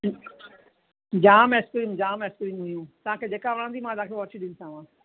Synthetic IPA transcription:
d͡ʒaːmeskɾiːmd͡ʒaːmeskɾiːmɦʊjũːt̪ãːkʰeːd͡ʒeːkaʋəɾãːnd̪iːmãːd̪ãːkʰeʋɔt͡ʃiɗɪnsãːʋãː

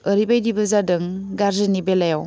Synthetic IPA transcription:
əɾibajdibɯzadɯŋ | ɡaɾzɯnibelajaw

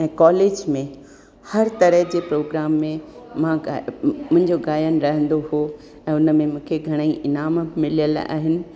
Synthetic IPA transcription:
ɛ̃ːkɔːleːd͡ʑmẽ | hɐɾt̪ɐɾəɦd͡ʑeːpɾoːɡɾaːmːẽmãmʊ̃ɦɪ̃ɲd͡ʑoɡaːjənɾɐɦə̃nd̪oɦoː | ɛ̃ːʊnəmẽmũːkʰeɡʱɐɽ̃əiʔɪnaːmmɪlijəla̰ːɦɪnɪ̆

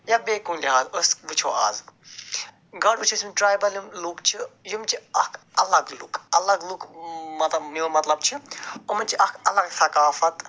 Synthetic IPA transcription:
jabeːkunliɦaːzəsʋɨt͡ʃʰoːʔa̰ːz | ɡɐɽʋɨt͡ʃʰosʲmiʈɾaːjbɐlimlukt͡ʃʰijumt͡ʃʰiɐkʰɐlɐɡlukʰɐlɐɡlukʰmɐt̪lɐbniomɐt̪lɐb̚t͡ʃʰiomɐnt͡ʃʰiʔɐkʰɐlɐɡt̪ʰɐkaːfɐt̪

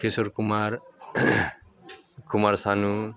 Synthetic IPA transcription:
kʰesoɾkumaɾ | kʰumaɾsanu

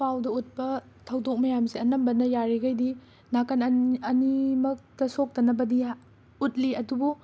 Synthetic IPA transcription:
pawdɐut̚pɐ | tʰɐwdok̚mɐjamsiɐnɐmbɐnɐjaɾiɡajdi | nakanɐɐnimɐk̚tɐsok̚tɐnɐbɐdi | ut̚liɐdubu

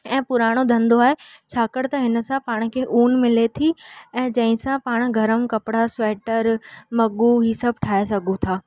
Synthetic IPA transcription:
ɛ̃ːpʊɾaːɽ̃od̪ʱɐ̃nd̪oaːɦe | t͡ɕʰaːkəɽt̪ɐɦɪn̆sãpaːɽ̃̆kʰeːʔuːnmɪlet̪ʰiɛ̃ːd͡ʑɐ̃ɦɪ̃sãpaːɽ̃ɡʱɐɾəmkɐpɪɽasɛːʈəɾmɐɡuɦiːsɐbʱʈʰaːesɐɡʱũt̪ʰaː

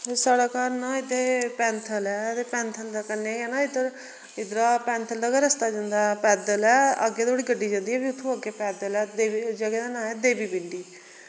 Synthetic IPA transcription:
saːɽaːkaːɾnaːɪd̪eːpɛ̃ːnt̪ʰəlɛːt̪eːpɛ̃ːnt̪ʰəld̪aːkəɾneːɛːnaːɪd̪əɾ | ɪd̪əɾaːpɛ̃ːnt̪ʰəld̪aːɡəɾəst̪aːd͡ʒãnd̪aːpɛːd̪əlɛːəɡeːd̪oːɽiːɡəɖːiːd͡ʒãːnd̪iːɛːbiːʊt̪ʰːõːəɡeːpɛːd̪əlɛːd̪eːd͡ʒəɡeːd̪aːnãːɛːd̪eːbiːbɪɳɖiː

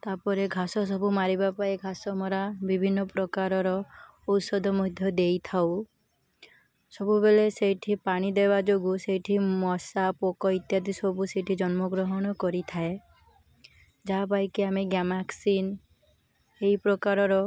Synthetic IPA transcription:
t̪apɔɾeɡʱasɔs̬ɔbumaɾibapaeɡʱasɔmɔɾabibʱinːɔpɾɔkaɾɔɾɔ | ɔsɔd̪ʱɔmud̪ʱjɔd̪ejt̪ʰaw | sɔbubelesejʈʰipaɽ̃id̪ebad͡ʒoɡusejʈʰimɔsapokɔit̪jad̪isɔbuseʈʰid͡ʒɔnmɔɡɾɔɦɔɽ̃ɔkɔɾit̪ʰae | d͡ʒapajkiameɡjamaksin | eipɾɔkaɾɔɾɔ

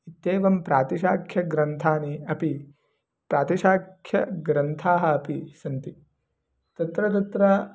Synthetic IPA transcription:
it̪ːeːʋɐmpɾaːt̪iʃaːkʰjɐɡɾɐnt̪ʰaːniɐpi | pɾaːt̪iʃaːkʰjɐ̰ɡɾɐnt̪ʰaːɦɐːpisɐnt̪i | t̪ɐt̪ɾɐt̪̬ɐt̪ɾɐ

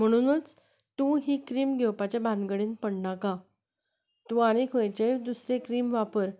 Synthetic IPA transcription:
m̤əɽ̃unət͡s | t̪ũɦiːkɾiːmɡʱewpat͡ɕabʱãnɡəɽenpəɽɳaka | t̪ũaɽ̃ekʰojt͡ɕed̪usɾekɾiːmʋapəɾ

